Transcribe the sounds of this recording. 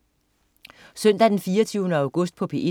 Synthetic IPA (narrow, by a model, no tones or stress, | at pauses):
sœn̰d̥æd̥enfiːɐt͡sʰyːʊnəæ̈ʊɡ̥ɔ̽sd̥̚pʰɒ̽pʰe̝i